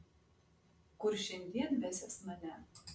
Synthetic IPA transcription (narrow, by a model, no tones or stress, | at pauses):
kʊɾʃʲɛnʲd̪ʲiɛnʋʲæːsʲɛsmɐnʲæ